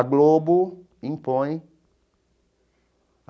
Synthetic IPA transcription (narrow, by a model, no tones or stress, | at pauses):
ɡlobu | ĩmpõj